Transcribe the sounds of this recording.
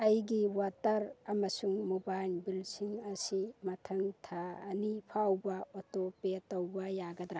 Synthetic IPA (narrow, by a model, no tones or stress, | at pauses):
ɐjɡiwatɐɾɐmɐsuŋmobajlbilsiŋɐsimɐtʰɐŋtʰa̰ːnipʰawbɐotopetːɐwbɐjaɡɐd̪ɾa